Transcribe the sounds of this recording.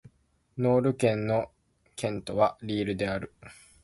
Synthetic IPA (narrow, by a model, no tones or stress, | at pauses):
no̞ːɾɯ̟kẽ̞nːo̞ | kʰẽ̞nt̪o̞βaɾʲiːɾɯ̟d̪e̞aɾɯ̟